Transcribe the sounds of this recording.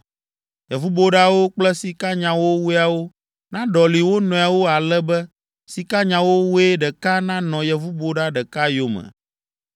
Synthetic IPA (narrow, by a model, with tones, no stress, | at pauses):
jɛ˨vu˦bo˦ɖa˦wo˦k͡plɛ˦si˨ka˦ɲã˨wo˦wu˦a˨wo˦ | nã˦ɖɔ˨li˨wo˦nɔ̃˨a˨wo˦a˨lɛ˦bɛ˦ | si˨ka˦ɲã˨wo˦wu˦e˦ɖɛ˨ka˦nã˦nɔ̃˨jɛ˨vu˦bo˦ɖa˦ɖɛ˨ka˦jo˦mɛ̰̃˨